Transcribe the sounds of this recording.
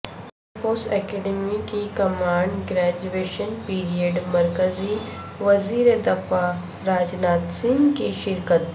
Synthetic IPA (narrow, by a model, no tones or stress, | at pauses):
foːsɛːkeːɖɛmikikɐmaːɳɖɡɾɛːd͡ʒueːʃənpiːɾijəɖmɐɾkəzi | ʋɐziːɾed̪ɐfa | ɾaːd͡ʒnaːt̪sɪ̃ŋɡkiʃɪɾkət̪̚